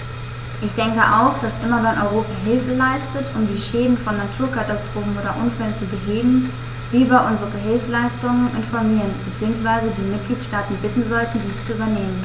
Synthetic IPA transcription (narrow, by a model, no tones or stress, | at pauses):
ʔɪçd̥ɛŋkəʔa̰ʊxd̥asʔɪmɐvɛnʔɔʏʁ̞oːpaɦɪlfəlaɪstətʰʊmdiːʃɛːdn̩fɔnːatʰuːɐkʰatastʁ̥oːfn̩ʔoːdɐʔʊnfɛlənt͡subəɦeːɡŋ̩ | viːvbaɐʔʊnzəʁəɦɪlfslaɪstʊŋənʔɪnfɔɐmiːʁənbət͡siːʊŋsv̥aɪzədiːmɪt̚ɡ̥liːtʃtaːtn̩bɪtn̩zɔltn̩diːst͡suyːbɐneːmən